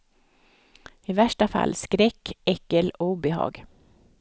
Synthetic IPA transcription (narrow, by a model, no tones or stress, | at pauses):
ɪvæʂʈafa̰lːskɾɛkːɛkːəlɔbɛɦɑ̰ːɡ